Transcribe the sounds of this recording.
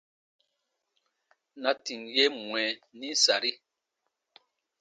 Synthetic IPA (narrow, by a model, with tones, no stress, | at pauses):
na˨ti˨ŋje˦mwɛ˨ni˦sa˨ɾi˦